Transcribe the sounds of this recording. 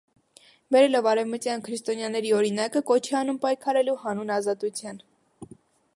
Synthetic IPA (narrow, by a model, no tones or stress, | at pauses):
bɛɾɛlɔvɑɾɛvmət̪jɑnkʰɾist̪ɔnjɑnɛɾiɔɾinɑkəkɔt͡ʃʰɛɑnumpɑjkʰɑɾɛluhɑnunɑzɑt̪ut͡sʰjɑn